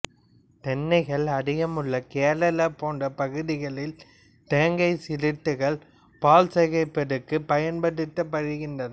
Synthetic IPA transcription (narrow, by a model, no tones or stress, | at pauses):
t̪ɛnːɐɪɣɐɭɐɽɪjɐmɯɭːɐkeːɾɐlɐpoːndɐpɐɣɯðɪɣɐɭɪl | t̪eːŋɡɐɪsɪɾɪt̪ːɯɣɐɭ | paːlsɐɣɐɪpːɐɽɯkːɯpɐjɐnpɐɽɯt̪ːɐpːɐɾɯɣɪndrɐnɐ